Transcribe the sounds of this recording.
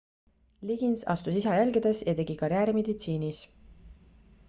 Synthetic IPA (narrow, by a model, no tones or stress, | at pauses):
liɡ̥insɑ̰st̪usisɑjælɡid̪̥e̞sjɑt̪e̞ɡ̥ikɑɾjæːɾime̞d̪it̪siːnis